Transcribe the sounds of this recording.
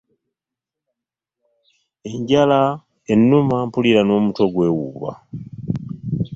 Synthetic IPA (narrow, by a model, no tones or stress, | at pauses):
e̞ɲɟala | enːumampuliɾano̞ːmuto̞ɡwe̞wṵːβa̰